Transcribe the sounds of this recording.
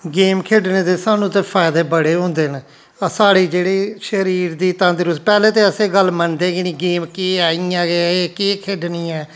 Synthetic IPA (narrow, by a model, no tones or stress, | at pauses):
ɡeːmkʰeːɖneːt̪eːsaːnũːt̪eːpʰaːɪd̪eːbəɽeːɦõːnd̪eːn | əsaːɽiːd͡ʒeːɽiːʃəɾiːɾd̪iːt̪ãːnd̪ɪɾʊspɛːleːt̪eːəseːɡəlmənd̪eːɡɪnĩːɡeːmkiːaːiːãːɡeeːkiːkʰeːɖniːɛː